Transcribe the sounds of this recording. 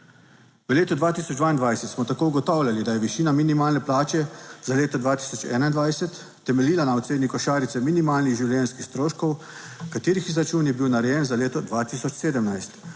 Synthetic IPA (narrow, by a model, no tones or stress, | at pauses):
ʋəleːt̪ɔd̪ʋaːt̪isɔd͡ʒd̪ʋaːind̪ʋajsɛt̪smɔt̪akouɡɔt̪ɔwlʲjʲalid̪ajɛʋiʃiːnaminimaːlnɛplaːt͡ʃɛz̥aleːt̪ɔd̪ʋaːt̪i̥sɔt͡ʃɛ̰ːnaind̪ʋajsɛt̪ːɛmɛliːlanaɔt̪seːd̪nikɔʃaːɾit̪sɛminimaːlniɣʒiwljɛnskixst̪ɾoːʃkɔw | kat̪eːɾixizɾat͡ʃuːnjɛbiwnaɾɛjɛnzaleːt̪ɔd̪ʋat̪isɔt͡ʃseːd̪əmnajst̪